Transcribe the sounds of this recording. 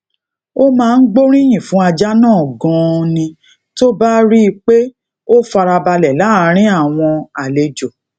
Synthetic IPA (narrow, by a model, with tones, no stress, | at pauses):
o˦mãː˦˧n̩˦ɡ͡bo˦ɾ̃ĩ˦j̃ĩ˨fũ˨˦a˧d͡ʒa˦nãː˦˨ɡɔ̃˧nĩ˧ | to˦ba˦ɾi˦˧k͡pe˦ | o˦fa˧ɾa˧ba˧lɛ˨la˨˦˨ɾ̃ĩ˦a˦˨w̃ɔ̃˧a˨le˨d͡ʒo˨